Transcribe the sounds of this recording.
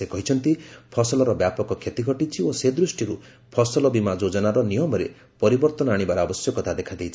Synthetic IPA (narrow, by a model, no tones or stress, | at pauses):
ekɔɦit͡ʃʰɔnt̪ipʰɔsɔlɔɾɔbjapɔkɔkʰet̪iɡʱɔʈit͡ʃʰiosed̪ɾusʈiɾu | pʰɔsɔlɔbimad͡ʒod͡ʒɔnaɾɔnijɔmɔɾḛ | pɔɾibɔɾt̪ɔnɔaɽ̃ibaɾɔabɔsjɔkɔt̪ʰad̪ekʰad̪ejt͡ʃʰi̥